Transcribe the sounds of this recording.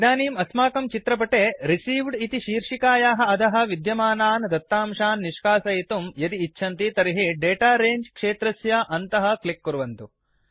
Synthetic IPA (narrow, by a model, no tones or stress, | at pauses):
d̪aːniːmɐsmaːkɐmt͡ʃit̪ɾɐp̬ɐʈeːɾisiːʋɖit̪iʃiːɾʂikaːjaːɦɐ̆ɐd̪ɐɦɐ̆ʋid̪jɐmaːnaːnd̪ɐt̪ːaːmʃaːnːiʂkaːsɐjit̪umjɐd̪iːtːʃʰɐnt̪it̪ɐɾiɦiɖeːʈaːɾeːɲd͡ʒkʂeːt̪ɾɐsjɐʔɐnt̪ɐɦɐ̆klikːuɾʋɐnt̪u